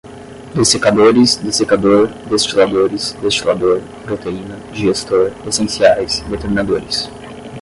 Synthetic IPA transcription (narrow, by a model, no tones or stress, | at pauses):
d̪esekad̪oɾisd̪esekad̪oɾd̪est͡ʃilad̪oɾisd̪est͡ʃilad̪oɾ | pɾot̪einɐd͡ʒɪʒest̪oɾesẽnsiajsd̪et̪eɾmĩnad̪oɾis